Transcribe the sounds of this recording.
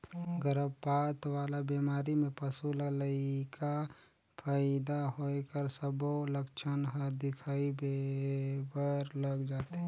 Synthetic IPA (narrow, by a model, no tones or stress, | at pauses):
ɡəɾəbpaːt̪waːlabimaːɾimẽpəsulələika | pʰaːɪd̪aɦokəɾsəboləkt͡ʃʰənɦəɾd̪ɪkʰaːibe | bəɾləɡd͡ʒaːt̪eɦɛ̃